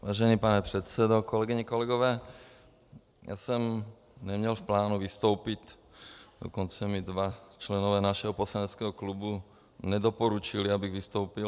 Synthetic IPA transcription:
ʋaːʒɛniːpanɛpɾɛt̪sɛd̪ɔkɔlɛɡiɲɛkɔlɛɡɔʋɛː | jʔa̰sɔm | ɲɛmɲɛlfplaːnuʋist̪ɔʊpit | d̪̥ɔ̰kɔnt͡sɛmid̪ʋat͡ʃlɛnɔʋɛːnaʃɛɦɔpɔslaɲɛt͡skɛɦɔklubu | ɲɛd̪ɔpɔɾut͡ʃiliabiɣʋist̪ɔʊpi

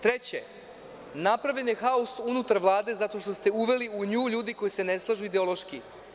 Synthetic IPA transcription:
t̪ɾet͡ɕe | napɾaʋʎʲenjexausunut̪aɾʋlˠaːd̪e̞zat̪o̞ʃt̪o̞st̪e̞uʋe̞liuɲuːʎuːd̪iko̞jise̞ne̞slˠaʒuid̪eo̞lˠo̞ʃki

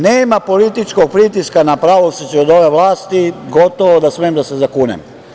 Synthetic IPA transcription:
neːmapo̞lit̪it͡ʃko̞ɡ̚pɾit̪iskanapɾaʋolsit͡ɕɛod̪o̞ʋeʋlaːst̪iɡot̪oʋod̪asmeemd̪asezakuːnḛm

